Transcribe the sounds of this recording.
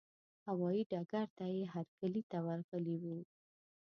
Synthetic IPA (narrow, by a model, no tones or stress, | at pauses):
hawɑjiɖɑɡaɾt̪ajeɦaɾkalit̪awaɾɣəliwu